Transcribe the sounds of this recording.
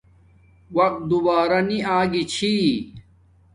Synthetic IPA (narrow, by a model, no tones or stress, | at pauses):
wɐq̚t̪̚d̪ubaːɾɐniaːɡit͡ɕʰi